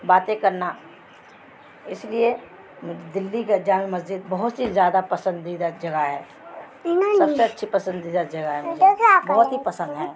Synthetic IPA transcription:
baːt̪ẽkɐɾna | ɪslie | md̪ɪlːiked͡ʒaːmemɐzd͡ʒɪd̪̚bɐɦʊt̪sizjaːd̪apɐsə̃nd̪id̪ad͡ʒɐɡaɦɛː | nsɐbseɐtːʃʰipɐsə̃nd̪id̪ad͡ʒɐɡaɦɛmʊd͡ʒbɐɦʊt̪ɦipɐsə̃nd̪ɦɛ̃ː

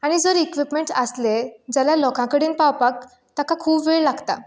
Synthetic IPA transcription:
aɽ̃id͡zəɾikʋipmeɳʈəsled͡ʑalalɔkãkəɽiːnpawpak̚ | t̪akakʰuːpʋeɭlaɡt̪a̰

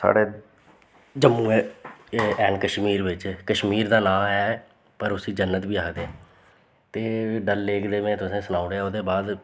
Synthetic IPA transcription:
sa̰ːɽeː | d͡ʒəmːũːɛː | ɛːnkəʃmiːɾbɪt͡ʃkəʃmiːɾd̪aːlaːɛː | pəɾʊsiːd͡ʒənːət̪biːaːkd̪eːɛ̃ː | t̪eːɖəlːeːkd̪eːmẽːt̪ʊsẽːsənaːʊɽeːaːoːd̪eːbaːd̪

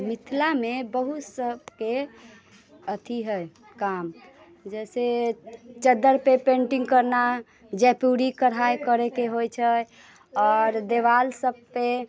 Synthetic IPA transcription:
mit̪ʰlamebəɦusəbke | ət̪ʰiɦəj | kam | d͡ʒɛse | t͡ʃəd̪əɾpepẽɳʈiŋɡkəɾna | d͡ʒɛpuɾikəɾɦajkəɾɛkeɦojt͡ʃʰə | ɔɾd̪eʋalsəb̚pe

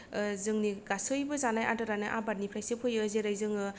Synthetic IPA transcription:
zɯŋniɡasɯjbɯzanajʔa̰tɯɾanɯʔabat̚nipʰɾajsɯpʰɯjɯzeɾajzɯŋɯ

